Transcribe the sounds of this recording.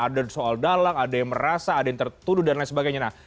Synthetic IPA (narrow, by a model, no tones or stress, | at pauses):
adasoaldalaŋadajaŋməɾasaːdajaŋt̪ərt̪udʊhdannasəbaɡajɲanah